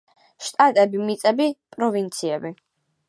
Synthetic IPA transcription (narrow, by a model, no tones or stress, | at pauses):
ʃt̪ʼat̪ʼɛbimit̪sʼɛbipʼɾɔvint̪sʰiɛbi